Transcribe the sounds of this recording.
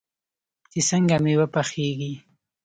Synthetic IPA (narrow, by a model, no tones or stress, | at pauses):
t͡ʃisəŋɡamewəpaxeɡi